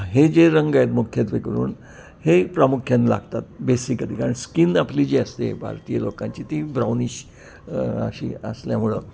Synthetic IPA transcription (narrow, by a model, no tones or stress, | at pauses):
ɦed͡ʑeɾəŋɡajt̪mukʰjed̪ʋekəɾṵːn | hepɾamukʰjanla̰ɡt̪at̪̚besikəlikaɾəɳskinaplid͡ʑiəst̪ḛbʱa̰ɾt̪ijəlokãɲt͡ɕiːt̪ibɾawniɕ | ə̰ɕḭə̰sljamuɭə